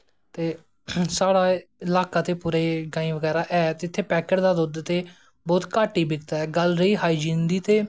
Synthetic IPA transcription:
t̪eː | saːɽaːɪlaːkaːt̪eːpuːɾeːɡaːĩːʋəɡɛːɾaːʔɛːt̪ːɪt̪ʰːeːpɛːkəɾd̪aːd̪ʊd̪t̪eː | bɔːt̪kaːʈiːbɪkt̪aːɛːɡəlɾəiːɦaːiːd͡ʒĩːnd̪iːt̪eː

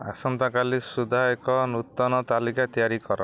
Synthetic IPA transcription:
a̰sɔnt̪akalisud̪ʱaekɔnut̪ːɔnɔt̪alikat̪ijaɾikɔɾɔ

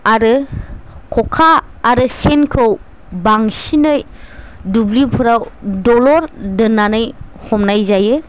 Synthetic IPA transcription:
aɾɯ | kʰɔkʰaː | ɾɯsenkʰɯw | baŋsinɯjdublipʰɯɾawdɔlɔɾdɯnːanɯjhɔmnajzajɯ

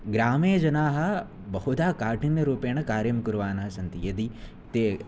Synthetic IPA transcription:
ɡɾaːmeːd͡ʒɐnaːɦɐ̆ | bɐɦud̪aːkaːʈinjɐɾuːpeːɳ̃ɐkaːɾjɐmkuɾʋaːnɐɦɐsɐnt̪ijɐd̪i | t̪eː

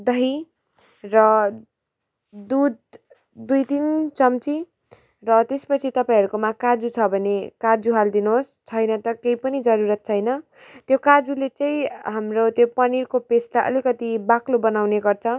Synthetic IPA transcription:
d̪ʌɦi | rʌ | d̪ud̪̚ | d̪ujt̪int͡sʌmt͡si | rʌt̪espʌt͡sʰit̪ʌpãĩɦʌɾukomakad͡zut͡sʰʌbʱʌnekad͡zuɦald̪inuɦost͡sʰʌjnʌt̪ʌkejpʌnid͡zʌɾuɾʌt̪̚t͡sʰʌjnʌ | t̪jokad͡zulet͡saĩɦamrot̪jopʌnirkopesʈaʔʌ̰likʌt̪ibaklobʌnawneɡʌrt͡sʰʌ

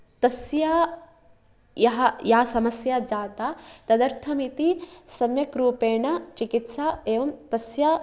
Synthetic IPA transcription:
t̪ɐsjaː | jɐɦɐjaːsɐmɐsjad͡ʒaːt̪aːt̪ɐd̪ɐɾt̪ʰɐmit̪isɐmjɐkɾuːpeːɳɐt͡ʃikit̪saːeːʋɐmt̪ɐsja

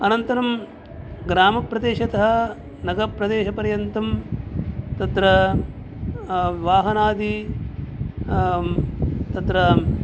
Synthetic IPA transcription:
ɐnɐnt̪ɐɾɐm | ɡɾaːmɐpɾɐd̪eːʃɐt̪ɐɦɐ | nɐɡɐpɾɐd̪eːʃɐpɐɾjɐnt̪ɐm | t̪ɐt̪ɾɐ | ʋaːɦɐnaːd̪i | t̪ɐt̪ɾɐ

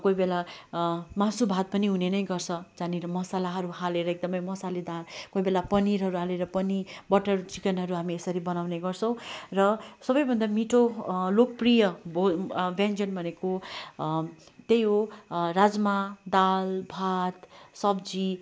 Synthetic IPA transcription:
kojbela | mãsubʱat̪̚pʌniɦunenʌjɡʌrt͡sʰʌd͡zaneɾʌmʌsalaɦʌɾuɦaleɾʌek̚d̪ʌmʌjmʌsaled̪ankoibelapʌniɾɦʌɾuɦaleɾʌpʌnibʌʈːʌrt͡sikʌnɦʌɾuɦamiesʌɾibʌnawneɡʌrt͡sʰʌ̃w̃rʌsʌbʌjbʱʌnd̪amiʈʰolok̚prijʌbobjand͡zʌnbʱʌneko | t̪ejɦorad͡zmad̪albʱat̪sʌbd͡zi

